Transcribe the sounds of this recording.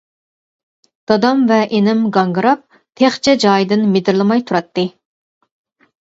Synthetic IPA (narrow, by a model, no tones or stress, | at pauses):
d̪̥ɑd̪ɑmvɛʔenɪmɡɑŋɡɨɾɑp̚ | t̪ʰeχt͡ʃʰɛd͡ʒɑːjd̪ɨnmed̪ɪɾlˠɨmɑjt̪ʰuɾɑt̪ːɨ